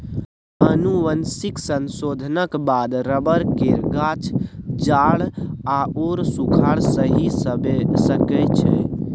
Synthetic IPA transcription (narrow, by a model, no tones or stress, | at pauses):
ənuʋənsiksənsod̪ʱənəkbad̪ɾəbəɾkeɾɡat͡ʃʰd͡ʒaɭaoɾsukʰaɽsəɦisəbsəkɛt͡ʃʰɛ